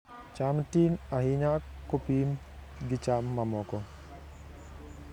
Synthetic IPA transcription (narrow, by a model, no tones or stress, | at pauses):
t͡ʃamtinahiɲakːopim | ɡit͡ʃamːamɔkɔ